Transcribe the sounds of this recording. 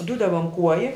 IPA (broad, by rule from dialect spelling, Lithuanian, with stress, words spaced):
ˈdʊdɐʋɐ ɐn ˈkuɔjɪ